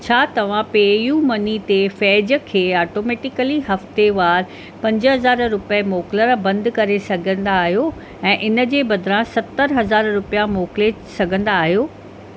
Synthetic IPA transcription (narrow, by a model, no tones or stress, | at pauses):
t͡ɕʰaːt̪ɐʋ̤ãpeːjuːmɐnit̪efɛːd͡ʑə̆kʰeːaːʈoːmeːʈɪkəliɦɐft̪eʋaːɾ | pɐ̃ɲd͡ʑəɦɐzaːɾɾʊpəmoːkləɾbɐ̃nd̪kɐɾesɐɡʱə̃n̆d̪aːɦijo | ɛ̃ːʔɪnə̆d͡ʑeːbɐd̪ʱɪɾãsɐt̪ːəɾɦɐzaːɾɾʊpijamoːkle | sɐɡʱə̃nd̪aːɦijoː